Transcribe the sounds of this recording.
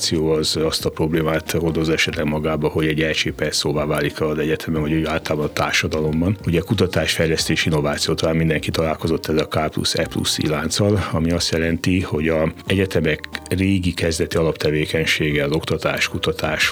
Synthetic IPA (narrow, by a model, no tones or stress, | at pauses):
t̪sijoːɒzɒst̪ɒpɾo̞bleːmaːt̪hod̪ozɛʃɛt̪lɛɡmɒɡaːbɒho̞ɟɛɟɛlt͡ʃeːpɛrsoːvaːvaːlikɒzɛɟɛt̪ʰɛmɛnɒɟoaːlt̪ɒlabɒnɒt̪aːrʃɒd̪ɒlo̞mbɒnuɟɛkut̪ɒt̪aːʃfɛjlɛst̪eːʃiinːo̞vaːt̪sijoːt̪ɒlaːmind̪ɛŋkit̪ɒlaːlko̞zo̞t̪ːɛzɒkaːplṵsɛ̰plṵsḭlaːnt̪sɒlɒmiɒst̪jɛlɛnt̪iho̞ɟɒɛɟɛt̪ɛmɛkreːɡikɛzd̪ɛt̪iɒlɒpt̪ɛveːkɛɲʃeːɡɛɒzo̞kt̪ɒt̪aːʃkut̪ɒt̪ʰaːʃ